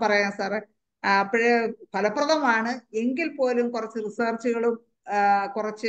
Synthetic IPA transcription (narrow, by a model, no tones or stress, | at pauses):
pɐrɐjaːnsaːre | ɐpːiɻepɐlɐpːrɐðɐmaːɳɨe̞ŋɡilpo̞ːlumkurɐt͡ɕːɨrisɐːrt͡ɕːuɣɐɭum | kurɐt͡ɕːɨ